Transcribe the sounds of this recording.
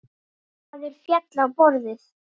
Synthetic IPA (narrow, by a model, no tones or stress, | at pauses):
aðɛɾ̥fjɛt̪laːwpɔɾðɪɾ̥